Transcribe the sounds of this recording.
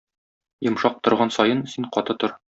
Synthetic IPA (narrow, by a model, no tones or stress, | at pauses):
jŏmʃɑq̚t̪ŏɾʁɑnsɒjɤnsiɴqɒt̪ɤt̪oɾ